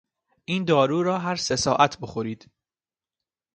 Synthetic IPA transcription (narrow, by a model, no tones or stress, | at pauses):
ʔiːnd̪ɒːɾuːɾɒːɦæɾse̞sɒːʔæt̪ʰbo̞xoɾiːd̪̥